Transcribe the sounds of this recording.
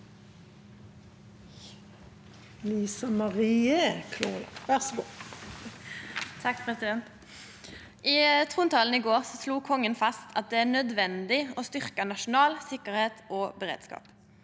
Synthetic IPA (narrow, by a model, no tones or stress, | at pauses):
liːsɑmɑʁiːəkʰluːlʋæʁsɔɡu | t̪ʰɑkːpʰʁɛsɪd̪ɛnt̪ | ʔit̪ʰʁuːnt̪ʰɑːln̩ɪɡoːʁsɔsluːkʰɔŋːənfɑst̪ʰɑt̪̚d̪ɛæʁnœd̪ʋɛnd̪ɪost̪ʏʁkənɑʃʊnɑːlsɪkəʁheːt̪oːbɛʁḛːd̪skɑ̰ːp